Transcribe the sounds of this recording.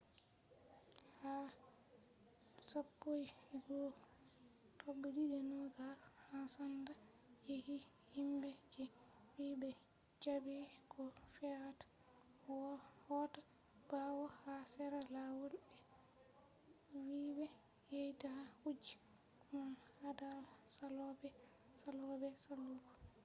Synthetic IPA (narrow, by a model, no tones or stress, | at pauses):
ha | sapːojɡo | tʰobːididɛnɔɡahasanda | jehi | himbɛd͡ʒɛ | wiːbɛ | t͡ʃabɛkɔfɛɾatḁ | wɔhɔta | b̥awɔhasɛɾalawolbɛ | wiːbɛ | jejtahud͡ʒi̥ | kunahadasalɔbɛ | salɔbɛsalɔɡɔ